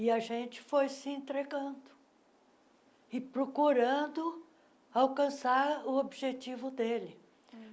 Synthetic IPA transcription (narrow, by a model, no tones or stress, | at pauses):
ɪɐʒẽt͡ʃɪ̥fojsɪẽnt̪ɾeɡɐ̃d̪ʊ | ɪpɾokuɾɐ̃d̪ʊ | awkɐ̃saɾʊobiʒet͡ʃivʊd̪elɪ